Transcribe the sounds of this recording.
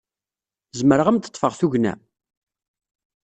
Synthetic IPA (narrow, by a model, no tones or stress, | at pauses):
zəməɾəʁəmt̪ə̥t̪ˤːfəʁθuʝnæ̰